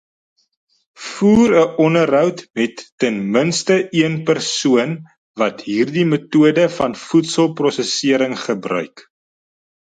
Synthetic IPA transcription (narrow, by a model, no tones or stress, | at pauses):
fuːɾəʔɔnəɾɦœwtmɛtːɛnmənstəiənpərsuən | vɐtɦiːrdimətuədəfɐnfutsəlˠprɔsəsiəɾəŋχəbrœ̰ɥk